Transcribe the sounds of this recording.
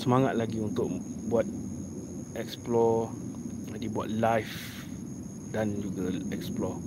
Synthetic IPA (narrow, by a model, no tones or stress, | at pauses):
səmaŋat̪̚laɡiunt̪ʊʔ̚buat̪̚ | ɛksplɔ | adibua̰t̪̚lajf | dãnd͡ʒuɡaɛksplɔ